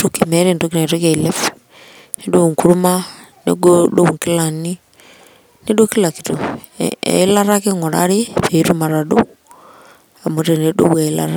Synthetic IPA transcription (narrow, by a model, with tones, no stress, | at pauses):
toke˨mɛ˦ɾentokina˨to˦ka˨ile˦f | nedo˦˨ŋkuɾu˦ma˦ | nḛɡodo˦u˨ŋki˦la˨ni˦ | ne˦doki˦la˨ki̥˨to | ḛ˨i˦la˦ɾake˦ŋo˨ɾa̰ɾe˦pe˨˦ɾu˦maɾado | a˨moɾe˨ne˨do̰˦βwa˨ila̰ɾa